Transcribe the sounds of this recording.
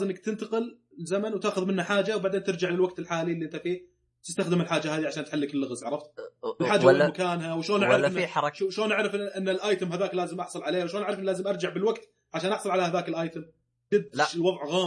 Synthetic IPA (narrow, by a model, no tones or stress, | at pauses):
azɪmnak̚t̪ɪnt̪aqɪl | zamanwt̪aːxʊðmɪnhaħaːd͡ʒawbaʕd̪eːnt̪ɪɾd͡ʒaʕlɪlwaɡ̚t̪ɪlħaːlilːiʔɪnt̪afiː | t̪ɪst̪axd̪ɪmɪlħaːd͡ʒahaːd̪iʕaʃaːnt̪ħalːɪkɪlːɪɣazʕɑɾˤɑft̪ɪlħaːd͡ʒamakaːnhawʃoːnʔaʕɾ | ʃloːnʔaʕɾɑfʔɪnːalʔaːjt̪ɪmhaðaːklaːzɪmʔɑħsˤɑlʕaleːhawʃloːnʔaʕɾˤɑfʔɪnːilaːzɪmʔɑɾˤd͡ʒaʕbɪlwaɡt̪ | ʕaʃaːnʔɑħsˤɨlʕalahaðaːkɪlʔaːjt̪ɪm | d͡ʒɪd̪ːɪlwɑðˤʕɣaː